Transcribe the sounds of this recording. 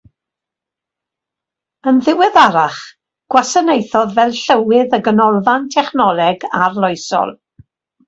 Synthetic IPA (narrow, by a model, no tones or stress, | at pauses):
ənðɪwɨðaɾaχ | ɡ̥wasənejθɔðvɛlˠɬəwɪðəɡənɔlˠvantʰɛχnɔlˠɛɡarlˠɔjsɔ̰lˠ